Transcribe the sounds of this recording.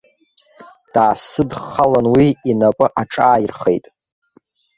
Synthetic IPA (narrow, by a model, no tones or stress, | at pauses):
d̥aːsɨdχalanwiinapʼɨʔaʈ͡ʂʼaːjirχḛjtʼ